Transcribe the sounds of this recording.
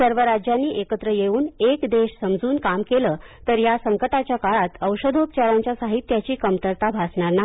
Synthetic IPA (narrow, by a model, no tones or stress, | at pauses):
səɾʋəɾad͡ʑjanːiːʔekət̪ɾəjeuːnekd̪eɕsəmd͡zuːnkamkeləːt̪əɾjasəŋkət̪at͡ɕjakaɭat̪əwʂəd̪ʱop̚t͡ɕaɾaɲt͡ɕjasaɦit̪ːjat͡ɕiːkəmt̪əɾt̪abʱasɳaɾna